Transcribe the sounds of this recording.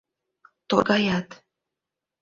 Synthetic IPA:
t̪o̰ɡɑjɑt̪

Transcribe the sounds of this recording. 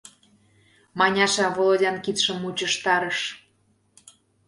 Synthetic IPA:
mɑnʲɑʃɑvolˠodʲɑnkit̪ʃə̆mut͡ɕəʃt̪ɑɾəʃ

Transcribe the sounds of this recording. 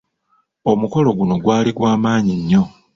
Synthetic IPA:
omuko̞lo̞ɡuno̞ɡwaːliɡwaːmaːɲiɲːo̞

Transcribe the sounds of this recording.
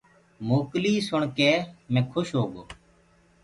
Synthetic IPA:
moːkliːsʊɳkeːmɛ̃ːkʰʊʃɦoːɡoː

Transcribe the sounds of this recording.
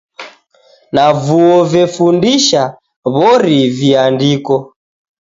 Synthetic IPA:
navuɔvɛfundiʃa | βɔɾiviandikɔ

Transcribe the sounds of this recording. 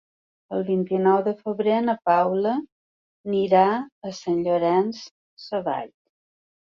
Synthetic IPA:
əlˠβint̪inɔwðəfəβɾenəpawlə | niɾaəsanʎoɾɛns | sːəβa̰ʎ

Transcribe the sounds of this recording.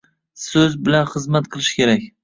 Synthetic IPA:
sɵzbɪlanχɨzmat̪qʰɨlˠɪʃkʲʰe̞ɾakʲ

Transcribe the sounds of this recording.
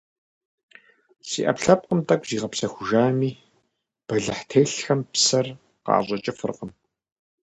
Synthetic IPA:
sḭːʔɐ̰pɬɐp̚qʼəmtʼɐkʷʼziːʁɐpsɐxʷʊʒaːmiː | b̥ɐɮɨħtʰeːɬxɐmpsɐr | qɑ̰ːʑʼɐt͡ʃʼɐfɨ̰rqəm

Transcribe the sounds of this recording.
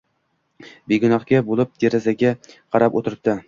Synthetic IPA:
beɡʊnɒχkʲabolˠɪp̚d̪̥eɾazaɡʲaqʰɑɾapot̪ʰɪɾɪp̚t̪ɪ

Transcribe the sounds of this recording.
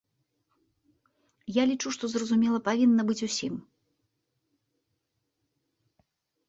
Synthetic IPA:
jalʲit͡ʂuʂt̪ɔzrɐzumʲɛlˠɐpavʲinːɐbɨt͡sʲusʲim

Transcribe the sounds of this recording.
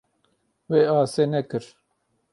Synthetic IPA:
weːaːseːnɛkɨɾ

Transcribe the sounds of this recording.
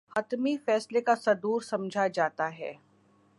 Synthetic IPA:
hɐt̪mifɛːslekasɐd̪uːɾsɐ̃md͡ʒʱad͡ʒaːt̪aɦɛ̰ː

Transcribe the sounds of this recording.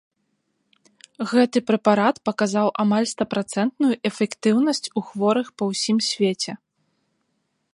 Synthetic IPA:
ɣɛt̪ɨpɾɛpaɾat̪pɐkazawʔamalʲst̪ɐpɾat̪sɛnt̪nujuʔɛfʲɛkt̪ɨwnɐsʲt͡sʲuxvɔɾɨxpɐwsʲimsʲvʲet͡sʲɛ

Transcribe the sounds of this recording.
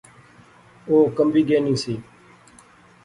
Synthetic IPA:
oːkəmbʱiːɡeːnĩːsiː

